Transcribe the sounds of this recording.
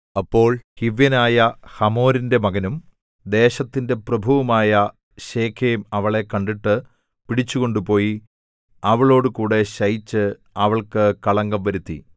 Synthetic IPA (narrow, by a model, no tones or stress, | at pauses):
ɐpːo̞ːɭhiʋjɐnaːjɐhɐmo̞ːɾinde̞mɐɡɐnum | d̪e̞ːɕɐt̪ːinde̞prɐbʱuʋɐmaːjɐ | ɕe̞ːkʰejumɐʋɐɭe̞kɐɳɖiʈːɨ | piɽit͡ɕːuɣo̞ɳɖupo̞ːji | ɐʋɐɭo̞ːɽɨkuːɽe̞ɕɐjit͡ɕːɨ | ɐʋɐɭkɨkɐɭɐŋɡɐmʋɐɾut̪ːḭ